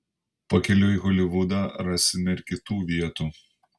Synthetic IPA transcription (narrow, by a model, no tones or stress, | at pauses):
pɐkʲɛlʲʊiɣɔlʲɪʋʊd̪ɑːɾɑsʲɪmʲɛɪɾʲkʲɪt̪uːʋʲiɛt̪uː